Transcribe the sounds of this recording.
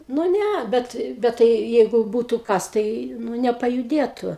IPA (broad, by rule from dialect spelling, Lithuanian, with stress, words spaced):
nʊ ˈnʲæ ˈbʲɛt ˈbʲɛt tɐɪ ˈjɛɪɡʊ ˈbuːtʊ ˈkɐs tɐɪ ˈnʊ nʲɛpɐjʊˈdʲeːtʊ